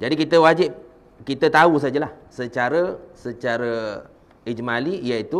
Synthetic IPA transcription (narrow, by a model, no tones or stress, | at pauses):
d͡ʒadikit̪əwad͡ʒɪp̚ | kit̪ət̪aus̬ad͡ʒəlah | sət͡ʃaɾəsət͡ʃaɾə | id͡ʒmalijait̪u